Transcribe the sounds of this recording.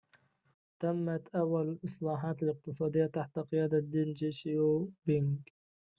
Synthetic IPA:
t̪amːat̪ʔawːalalʔɨsˤlɑːħɑːt̪alɪq̚t̪ɨsˤɑːd̪ɪjːat̪aħt̪aqɪjaːd̪ad̪iːnd͡ʒeʃjobɪŋɡ

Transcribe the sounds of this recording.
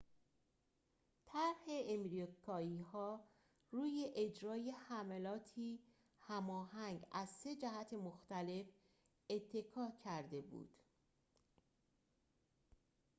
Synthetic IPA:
t̪ʰæɾhe̞emɾokʰɒːiːhɒː | ɾuːje̞ʔed͡ʒɾɒːjehæmælɒːt̪ʰiː | hæmɒːhæŋɡæzse̞d͡ʒæɦæt̪ʰemoxt̪æle̞f | e̞t̪ʰːe̞kʰɒːcʰæɾd̪e̞bṵːd̪̥

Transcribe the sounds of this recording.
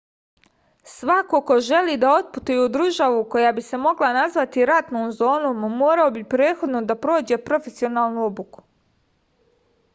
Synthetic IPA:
sʋako̞ko̞ʒe̞liːd̪ao̞t̪̚put̪ujud̪ɾuʒaʋuko̞jaːbise̞mo̞ɡlanazʋat̪iɾat̪noːmzo̞ːnommoːɾaobipɾe̞ːt̪xo̞d̪no̞d̪apɾo̞ːd͡ʑe̞pɾo̞fe̞sio̞naːlˠnuobuku̥

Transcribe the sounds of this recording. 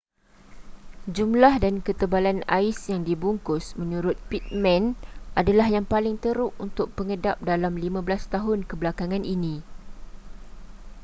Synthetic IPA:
d͡ʒumlahdankət̪əbalanaɪsjaŋdibuŋkʊsmə̃ɲũɾʊt̪̚pit̪̚mɛ̃nʔadalahjaŋpalɪŋt̪əɾʊʔunt̪ʊk̚pəŋədap̚dalamlimãbəlast̪aɦʊnkəbəlakaŋãnʔinĩ

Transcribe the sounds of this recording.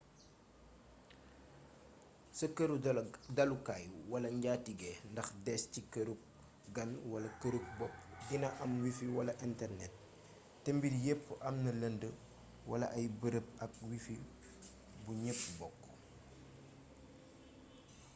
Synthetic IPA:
səkəɾudɐlukaːjuwɐlɐɲɟaːtiɡɛndɐxdɛscikəɾup̚ | ɡɐnwɐlɐkəɾuk̚bɔpːɡinɐʔɐmwifiwɐlɐʔintɛrnɛt̚ː | ɛmbidjɛpːʔɐmnɐlɐndə | wɐlɐ̰ʔɐjbəɾəp̚ɐk̚wifi | buɲəpːbɔkː

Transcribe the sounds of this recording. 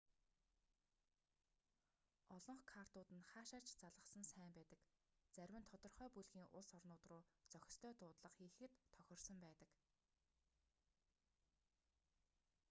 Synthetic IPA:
ɔɮɞ̆ɴχkʰar̥t̪ʊːt̪ɘ̆nχaːʃaːr̥t͡ɕt͡saɮʁə̆χsə̆nsæːmpæːt̪ə̆k | t͡sæɾʲwɘ̆nt̪ʰɔt̪ɞ̆rχœːpuɮɣiːŋʔʊɮsɔrnʊːt̪rʊːt͡sœxʲɪ̥̆st̪ʰœːt̪ʊːt̪ɮə̆qxiːxɘ̆t̪ʰːœxʲɪ̆rsə̆mpæːt̪ə̆k

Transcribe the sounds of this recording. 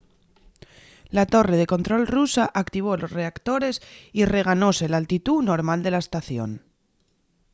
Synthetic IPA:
lat̪o̞re̞ðe̞ko̞nt̪ɾo̞lrusaʔakt̪iβ̞o̞lo̞sre̞akt̪o̞ɾe̞sire̞ɣ̞ano̞se̞lalt̪it̪uno̞ɾmald̪e̞laest̪aθjo̞̰n

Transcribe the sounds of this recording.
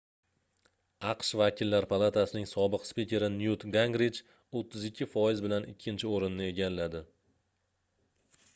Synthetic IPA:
ɑqʃvakʲʰɪlːaɾpʰalˠat̪ʰasɪnɪŋsɒbɨqspikʲe̞ɾɪnjut̪ɡaŋɡɾid͡ʒ | ot̪ʰːɪzɪkʲʰːɪfɒjɪzbɪlanɪ̰kʲʰːɪnt͡ʃʰɪoɾɪnːɪe̞ɡʲalːad̪ɪ

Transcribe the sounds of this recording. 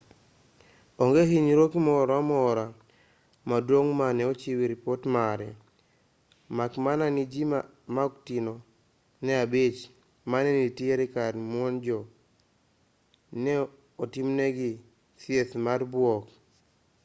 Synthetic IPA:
ɔŋɡeɦiɲɾokimɔɾɔamɔɾa | madwoŋmanɛɔt͡ʃiwiɾipotmaɾɛ | makmananid͡ʒima | maktino | nɛabit͡ʃ | manɛnitieɾikaɾmwɔnd͡ʒɔ | nɛ | ɔtimnɛɡi | sieθmaɾbwɔk

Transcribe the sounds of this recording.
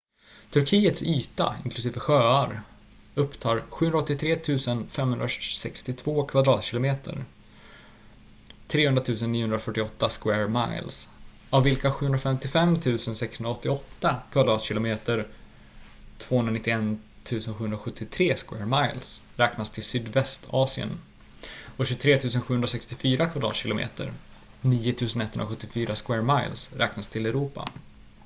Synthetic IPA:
t̪ʰɵɾkʰiːət̪syːt̪a̰ɪ̰nklɵsiːvəɧøːaɾ | ɵpːt̪ʰɑːɾɧʉ̟ːɵnɾɔt̪ːɪt̪ʰɾeːt̪ʰʉ̟ːsənfɛmːhɵnɾasɛkst̪ɪt̪ʰvoːkʰvad̪ɾɑːt̪ɕɪlʊmeːt̪ʰə̰ɾ | t̪ʰɾeːhɵnd̪ɾat̪ʰʉ̟ːsənːiːʊhɵnd̪ɾafœʈːɪɔt̪ːaskwæːɾma̰ɪls | avːɪlkaɧʉ̟hɵnɾafɛmt̪ɪfɛmːt̪ʰʉ̟ːsənsɛkshɵnɾaɔt̪ːɪɔt̪ːakʰvad̪ɾɑːt̪ɕɪlʊmeːt̪əɾ | t̪ʰv̥oːhɵnɾanɪt̪ːɪɛn | t̪ʰʉ̟ːsənɧʉ̟ːhɵnɾaɧɵt̪ʰːɪt̪ʰɾeːskwɛ̰ːɾmaɪlsɾɛːknast̪ʰɪlsyːd̪vɛst̪ʰɑːsɪə̰n | ɔɕɵt̪ʰɾeːt̪ʰʉ̟ːsənɧʉ̟ːɵnɾasɛkst̪ɪfyːɾakʰvad̪ɾɑ̰ːt̪ɕɪlʊmḛːt̪ə̰ɾ | niːʊt̪ʰʉ̟ːsənɛt̪hɵnɾaɧɵt̪ːɪfyːɾaskwɛːɾmajlsɾɛːknast̪ʰɪlɛɾuːpa̰

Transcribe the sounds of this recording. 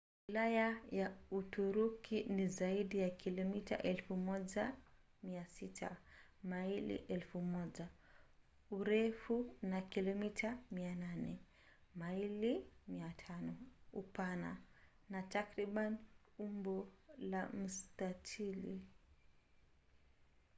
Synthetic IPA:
wwilajajautuɾukʰinizaiɗijakilɔmita̰ʔɛlfumɔʄa | miasitʰa̰mailḭʔɛlfumɔʄa | uɾɛfunakilɔmitʰamiananɛ̰ | mailimiatʰanɔupana̰ | natakɾiɓan | umbɔlam̩statʰili

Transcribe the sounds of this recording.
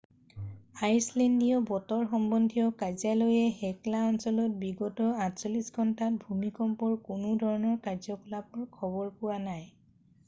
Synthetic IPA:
ajslɛndijɔbɔtɔɹxɔmbɔndʱijɔkazalojɛhɛklaɔnsɔlɔt̚biɡɔtɔatsolisɡʱɔntat̚bʱumikɔmpɔɹkʊnʊdʱɔɹɔnɔɹkazɔkɔlapɔɹkʰɔbɔɹpʊwanaj

